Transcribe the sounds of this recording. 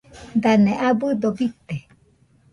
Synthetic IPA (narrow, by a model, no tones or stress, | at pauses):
d̪anẽʔabɨd̪obit̪e